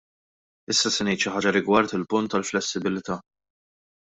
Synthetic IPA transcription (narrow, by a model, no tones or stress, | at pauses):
ɪsːɐsɛnɛjt̪ʃɪħɐːd͡ʒɐɾɪɡwɐɾt̪ɪlpʊnt̪ːɐlflɛsːɪbɪlɪt̪ɐː